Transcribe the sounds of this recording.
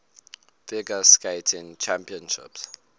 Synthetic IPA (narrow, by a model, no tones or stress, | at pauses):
fɪɡəskeɪtʰɪ̃nt͡ʃʰæ̃mpiə̃nʃɪ̰ps